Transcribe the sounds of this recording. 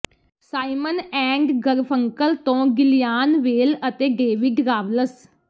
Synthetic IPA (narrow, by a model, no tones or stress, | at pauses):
saːimənɛ̃ːŋɡɡəɾpʰəŋkəlt̪õːɡɪlɪjaːnʋeːlət̪eːɖeːʋɪɖɾaːʋləs